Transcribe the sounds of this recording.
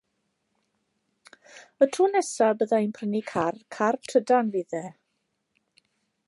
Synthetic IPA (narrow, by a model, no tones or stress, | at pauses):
ətʰuːnɛsabəðainpʰrənikʰarkʰartʰədanviðɛ